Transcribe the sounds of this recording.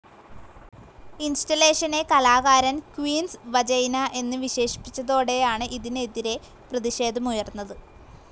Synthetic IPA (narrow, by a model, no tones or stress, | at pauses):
instɐle̞ːʂɐne̞kɐlaːɣaːɾɐnkwiːnsʋɐd͡ʑɐjnɐʔe̞nːɨʋiɕe̞ːʂi̥pːit͡ɕːɐðo̞ːɽe̞jaːɳɨʔiðineðiɾe̞ | prɐðiɕe̞ːd̪ʱɐmujɐrnːɐðɨ